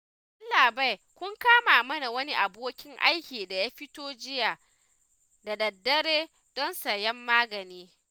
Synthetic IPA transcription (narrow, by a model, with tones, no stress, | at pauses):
ʔʊ˦nlaː˨ba˦˨jkʷʊ˦ŋkaː˦maː˨mɐ˦na˨wɐ˦ni˦ʔa˨boː˦kʲɪ˦ŋʔa̰˦jkʲiː˨da˨jaː˦ɸɪ˦toː˦d͡ʒɪ˦jaː˨ | da˨dɐ˨dːɐ˦ɾeː˦ | d̥ɔ˦nsɐ˨jɛ˦mːaː˦ɡɐ˨niː˦